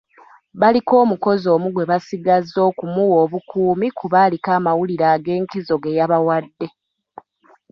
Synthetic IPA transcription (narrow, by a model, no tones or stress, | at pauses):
βaliko̞ːmuko̞zo̞ːmuɡwe̞βasiɡazːo̞ːkumuwo̞ːβukuːmikuβaːlikaːmawuliɾaːɡe̞ːŋkizo̞ɡe̞jaβawadːe̞